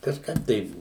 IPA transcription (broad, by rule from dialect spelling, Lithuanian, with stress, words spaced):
kɐʃˈkɐp tɐɪ